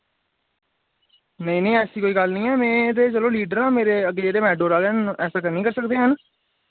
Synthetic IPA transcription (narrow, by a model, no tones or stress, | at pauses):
nəĩːnəĩːɛːsiːkoːiːɡəlnĩːɛːmɛ̃ːt̪̬eːt͡ʃəloːliːɖəɾãːmeːɾeːəɡeːeːd̪eːmɛːɖoːɾaːlenɛːsaːkənĩːkəɾsəkd̪eːɦən